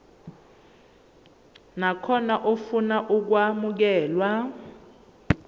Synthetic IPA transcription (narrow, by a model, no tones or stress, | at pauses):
nakʰɔnaʔofunaʔuk̬wamuk̬ɛːlwa